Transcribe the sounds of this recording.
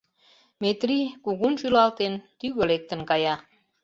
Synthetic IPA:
met̪rikuɣunʃylɑlt̪ent̪yɣølek̚t̪ə̆nkɑjɑ

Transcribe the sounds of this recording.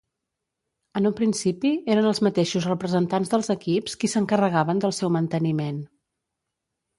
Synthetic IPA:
ənumpɾinsipieɾənəlˠzmət̪eʃuzrəpɾəzənt̪anzðəlˠzəkipskisəŋkərəɣaβənd̪əlˠsɛwmənt̪ənimen

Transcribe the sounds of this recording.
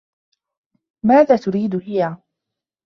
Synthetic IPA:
maːðaːt̪ʊɾiːd̪hɪja

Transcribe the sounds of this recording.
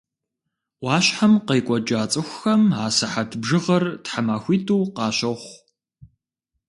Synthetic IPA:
ʔʷɑːɕħamqejkʷʼɔd͡ʒaːt͡sʼɨxʷxɐmaːsɐħatʰbʒɨʁɐrtħamaːxʷiːtʰuːqɑːɕɐχʷ

